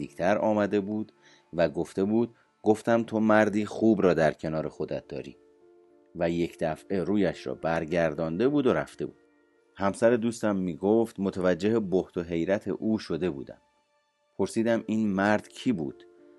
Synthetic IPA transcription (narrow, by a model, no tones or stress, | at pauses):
iːkt̪ʰæɾɒ̰ːmæd̪e̞buːd̪ | væɡo̞ft̪e̞buːd̪̥̚ | ɡo̞ft̪æmt̪ʰomæɾd̪iːxuːbɾɒːd̪æɾcʰe̞nɒːɾexo̞d̪æ̰t̪̚d̪ɒ̰ːɾḭː | væje̞cʰd̪æfʔe̞ɾuːjæʃɾɒ̰bæɾɟæɾd̪ɒːnd̪e̞buːd̪o̞ɾæ̰ft̪e̞bṵːd̪̥ | hæmsæɾed̪uːst̪æmːiːɡoft̪mot̪ʰævæd͡ʒːeɦeboht̪ʰo̞ɦe̞jɾæt̪ʰe̞̰ʔuːʃo̞d̪e̞bṵːd̪æ̰m | pʰo̞ɾsiːd̪æmiːnmæɾd̪̥cʰiːbṵːd̪̥